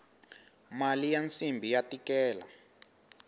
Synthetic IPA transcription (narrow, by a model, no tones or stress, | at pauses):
malijant͡simbʱijatikɛːla̰